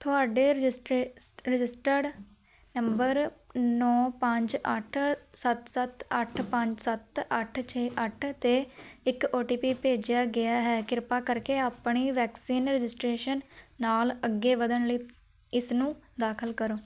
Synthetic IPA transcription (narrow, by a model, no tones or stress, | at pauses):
t̪ʰʊaːɖeːsʈɾɪd͡ʒɪsʈəɖ | nəmbəɾnɔːpəɲd͡ʒəʈʰsət̪sət̪əʈʰpəɲd͡ʒsət̪əʈʰt͡ʃʰeːʔəʈʰt̪eːɪkoːʈiːpiːpeːd͡ʒjaːɡɪaːɦɛːkɪɾpaːkəɾkeːaːpɳiːʋɛːksiːnɾɪd͡ʒɪsʈɾeːʃənːaːləɡːeːʋəd̪əɳləiː | ɪsnũːd̪aːkʰəlkəɾoː